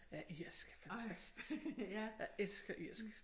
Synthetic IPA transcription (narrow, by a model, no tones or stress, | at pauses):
jæʔiɐsɡ̥fænt͡sʰæsd̥i̥sjɑelsɡ̥ɐʔiɐ̰sɡ̥